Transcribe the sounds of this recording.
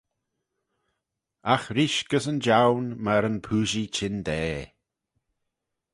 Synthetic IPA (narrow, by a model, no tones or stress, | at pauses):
axɾiʃɡ̥əsənd͡ʒawnmaɾənpʰuːʒit͡ʃʰɪnd̪ɛː